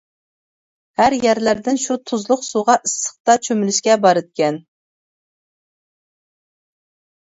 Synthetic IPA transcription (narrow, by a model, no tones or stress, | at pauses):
hæɾjæɾlæɾd̪ɪnʃut̪ʰuzlˠʊqsuʁɑʔɨsːə̥χt̪ɑt͡ʃʰømylyʃkʲɛbɑɾɨd̪̚kʲɛn